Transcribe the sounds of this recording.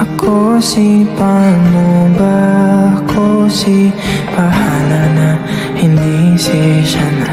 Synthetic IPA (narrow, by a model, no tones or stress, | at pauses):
ʔakʰosipamubaːkʰosi | pahalana | hind̪iseʃana